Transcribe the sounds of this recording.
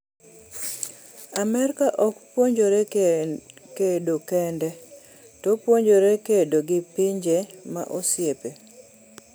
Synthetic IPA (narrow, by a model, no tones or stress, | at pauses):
amɛrkaʔɔkpwoɲd͡ʒoɾɛ | kedokɛndɛ | tɔpwoɲd͡ʒoɾekedoɡɪpiɲd͡ʒema̰ʔosjepe